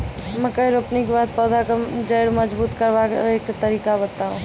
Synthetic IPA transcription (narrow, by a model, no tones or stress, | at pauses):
mɛ̃kəjɾopnikebaːd̪̚pɔːd̪ʱakad͡ʒəɽməd͡ʒbuːt̪kəɾʋakeːkt̪əɾiːkabət̪aɦṵ̃